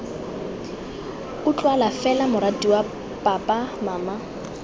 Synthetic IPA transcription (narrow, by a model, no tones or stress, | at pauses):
ʊt͡ɬʼwalafɛlamʊɾatiwa | pʼapʼamaːma